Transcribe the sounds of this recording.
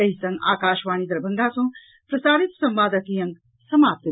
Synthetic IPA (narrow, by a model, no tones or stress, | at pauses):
ɐɦisɐ̃ŋɡa̰ːkaːʃʋaːnid̪ɐɾbʱɐŋɡaːsõː | pɾɐsaːɾit̪sɐmʋaːd̪ɐkijɐŋ | sɐmaːp̚t̪ɐ